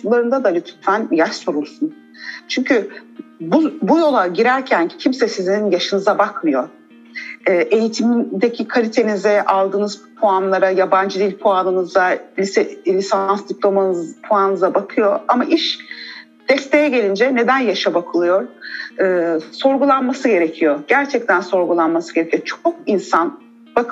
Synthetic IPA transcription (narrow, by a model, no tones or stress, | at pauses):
ulˠaɾɯnd̪ad̪alʲyt̪fænjaʃso̞ɾulsun | t͡ʃʰyɲcʰybubujo̞lˠaɟiɾæɾcʰæncʰimsɛsizinjaʃɯnɯzabakmɯjo̞ɾ | ɛːʔe̞jit̪ʰimid̪ecʰikʰalʲit̪ʰe̞nizɛʔalˠd̪ɯːnɯzpʰoanlˠaɾajaband͡ʒɯd̪ilʲpʰoanɯnɯzalʲisɛlʲisansd̪iplʲˠo̞manpʰoanɯnɯzabakʰɯjo̞amaʔiʃ | d̪̥ɛst̪ʰe̞jɛɟe̞lʲind͡ʒɛne̞d̪ænjaʃabakʰɯlˠɯjo̞ɾɯːso̞ɾɡulˠanmasɯɟe̞ɾecʰijo̞ɟ̥æɾt͡ʃʰɛc̚t̪ʰænso̞ɾɡulˠanmasɯ̥ɟe̞ɾecʰijo̞t͡ʃʰok̚insan | b̥akɯ